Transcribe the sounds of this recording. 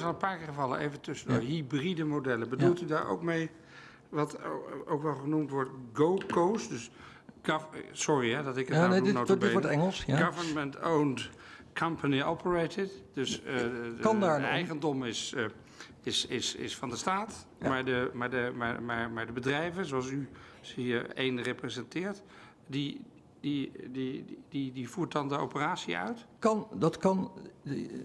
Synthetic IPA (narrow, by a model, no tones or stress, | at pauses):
ɑlˠənpaːɹkɪːχəvɑlˠə̰nʔejvəntɵsədəɦibridəmodɛləbədulˠtydaːɹo̰wkmej | ʋɑto̰wkʋɛlˠχənumtʋɔɹtɡowkosdøs | ɡsʊriɦɛdɑtɪkənowteɛŋəlˠsaɡɑvəɹnməntownkʰʌmpʰəniɔpʰəɹejtɪtdøs | ɑndaːɹɛjχəndɔmɪs | ɪsɪsɪ̰sfɑndəstaːtmaːɹdəmaɹdəmaɹmaɹmaɹdəbədrɛjvənzoɑlˠs̬ysiːɹḛjnreprəzɛntɪːɹt | di | didididivuːɹt̚dɑndəo̰wpəraːtsḭœ̰ɥtkɑndɑtkɑn